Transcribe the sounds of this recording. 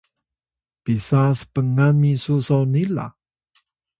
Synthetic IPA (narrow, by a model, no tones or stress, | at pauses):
pisasə̥pəŋamisusownila̰